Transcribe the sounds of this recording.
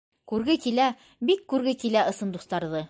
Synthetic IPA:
kʉɾɡɘkilæ | bikːʉɾɡɘkilæʔɤ̆sɤ̆nd̪ust̪ɑɾðɤ

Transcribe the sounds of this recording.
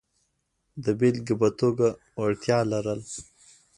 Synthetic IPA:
d̪əbilɡəbat̪oɡa | waɽt̪jɑlaɾəl

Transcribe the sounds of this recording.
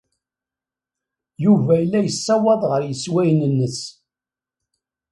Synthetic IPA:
juvæəlːæjəsːɑwɑðˤʁəɾjəswæjnənːəs

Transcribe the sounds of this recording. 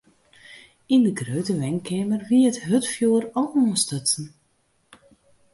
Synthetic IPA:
indəɡrøːtəʋɛŋkɛmərʋiəətɦøtfjuərɔlˠɔːnstətn̩

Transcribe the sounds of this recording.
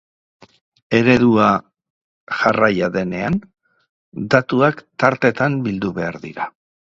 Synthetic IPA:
e̞ɾe̞ðua | ʝarajaðe̞ne̞an | d̪at̪uakt̪aɾt̪e̞t̪ambild̪uβe̞aɾðḭɾa

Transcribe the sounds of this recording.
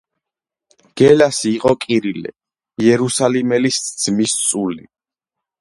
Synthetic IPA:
ɡ̥ɛlasiːqʼɔkʼiɾilɛ̰ | jɛɾusalimɛlisd̪z̥mist̪sʼuli

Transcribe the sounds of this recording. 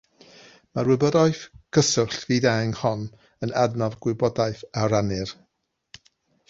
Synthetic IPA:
maɾwɪbədɔɨθkʰəsʊɬviːdaŋhɔn | ənadnavɡwɪbɔdajθaɾanɨr

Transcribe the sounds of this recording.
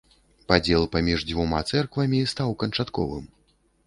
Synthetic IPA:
pad͡zʲɛlˠpamʲiʐd͡zʲvuma̰t̪sɛrkvɐmʲist̪awkɐnt͡ʂat̪kɔ̰vɨ̰m

